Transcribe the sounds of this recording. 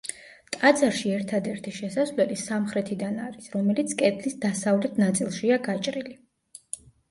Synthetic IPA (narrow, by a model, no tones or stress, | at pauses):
t̪ʼad̪zaɾʃiɛɾt̪ʰad̪ɛɾt̪ʰiʃɛsasvlɛt̪isamχɾɛt̪ʰid̪anaɾisɾɔmɛlit̪sʰkʼɛt̪ʰlisd̪asavlɛt̪ʰnat̪sʼilˠʃiaɡat͡ʃʼɾili